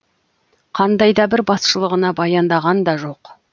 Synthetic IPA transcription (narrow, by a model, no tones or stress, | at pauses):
qʰɑnd̪ɑjd̪ɑbɪɾbɑsʃəlˠəʁənɑbɑjɑnd̪ɑʁɑnd̪ɑʒo̞q